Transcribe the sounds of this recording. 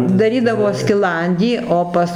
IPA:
dɐˈrʲiːdɐʋoː sʲkʲɪˈlˠɐnʲdʲiː oː ˈpɐs

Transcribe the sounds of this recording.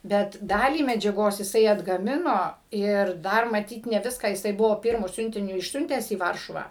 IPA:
ˈbʲɛt ˈdɑːlʲiː mʲɛd͡ʒʲɛˈɡoːs jɪˈsɐɪ ɐdɡɐˈmʲɪnoː ɪr ˈdɐr mɐˈtʲiːt nʲɛ ˈʋʲɪskɑː jɪˈsɐɪ ˈbʊʋoː ˈpʲɪrmʊ ˈsʲʊnʲtʲɪnʲʊ ɪʃʲˈsʲʊnʲtʲæːs iː ˈʋɐrʃʊʋɑː

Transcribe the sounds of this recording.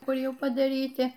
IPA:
ˈkʊr ˈjɛʊ pɐdɐˈrʲiːtʲɪ

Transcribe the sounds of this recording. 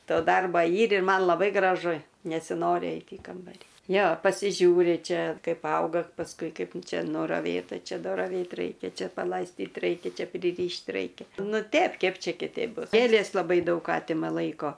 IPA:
ˈtoː ˈdɐrbɐ ˈiːr ɪr ˈmɐn lˠɐˈbɐɪ ɡrɐˈʒʊ nʲɛsʲɪˈnoːrʲɪ ˈɛɪtʲ iː ˈkɐmbɐrʲiː ˈjoː pɐsʲɪˈʒʲuːrʲɪ ˈt͡ʃʲɛ ˈkɐɪp ˈɐʊɡɐ pɐsˈkʊɪ ˈkɐɪp ˈt͡ʃʲɛ nʊrɐˈʋʲeːtɐ ˈt͡ʃʲɛ nʊrɐˈʋʲeːt ˈrɐɪkʲɛ ˈt͡ʃʲɛ pɐlˠɐɪsʲˈtʲiːt ˈrɐɪkʲɛ ˈt͡ʃʲɛ pʲrʲɪˈrʲiːʃʲtʲ ˈrɐɪkʲɛ ˈnʊ ˈtʲɛp ˈkʲɛp ˈt͡ʃʲɛ kʲɪˈtʲɛɪp ˈbʊs ˈɡʲeːlʲeːs lˠɐˈbɐɪ ˈdɐʊk ˈɑːtʲɪmɐ ˈlˠɐɪkoː

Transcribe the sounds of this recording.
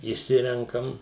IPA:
ɪʃʲˈsʲɪrʲɛŋkɐm

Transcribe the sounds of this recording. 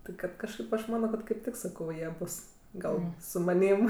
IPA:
tʲɪ ˈkɐt kɐʃˈkɐɪp ɐʃ ˈmɑːnoː kɐt kɐɪp ˈtʲɪk sɐˈkɐʊ ˈjiɛ ˈbʊs ˈɡɐlˠ sʊ mɐˈnʲiːm

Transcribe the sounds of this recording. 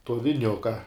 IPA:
toː ʋʲɪˈnʲʊkɐ

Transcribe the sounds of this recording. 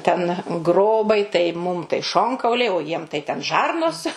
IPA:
tʲɛn ˈɡroːbɐɪ tɐɪ ˈmʊm tɐɪ ˈʃoːŋkɐʊlʲɛɪ oː ˈjiɛm tɐɪ tʲɛn ˈʒɐrnoːs

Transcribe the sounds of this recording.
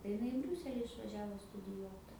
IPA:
tɐɪ ɪˈnɐɪ ɪ ˈbʲrʲuːsʲɛlʲɪ ɪʃʋɐˈʒʲæːʋoː stʊdʲɪˈjuɔt

